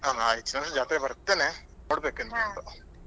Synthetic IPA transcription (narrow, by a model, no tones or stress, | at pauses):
aɦaːɦet͡ʃːunɐmsd͡ʒaːt̪iɾebɐɾɐt̪ːeːnenoːɽbeːkend̪ɐt̪ːu